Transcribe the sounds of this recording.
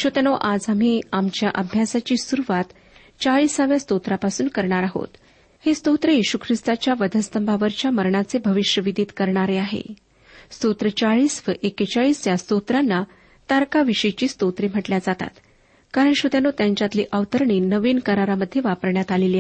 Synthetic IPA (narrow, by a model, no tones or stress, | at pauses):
ɕot̪janoʔad͡zam̤iːamt͡ɕjaʔəbʱjasat͡ɕiːsuɾuʋat̪ | t͡saɭiːsaʋjast̪ot̪ɾapasuːnkəɾɳaɾaɦo̰t̪ | hest̪ot̪ɾejiɕukʰɾist̪at͡ɕjaʋəd̪ʱəst̪əmbʱaʋəɾt͡ɕjaməɾɳat͡sebʱəʋiɕjəʋid̪ʱiːt̪kəɾɳaɾeaɦḛ | st̪ot̪ɾət͡saɭiːsʋəʔekət͡ɕaɭiːst̪jast̪ot̪ɾanːa | t̪aɾkaʋiʂet͡ɕiːst̪ot̪ɾem̤əʈljad͡zat̪a̰t̪ | kaɾəɳɕot̪janot̪jaɲt͡ɕjat̪lḭːʔəʋt̪əɾɳinəʋiːnkəɾaɾaməd̪ʱːjeʋapəɾɳjat̪aleli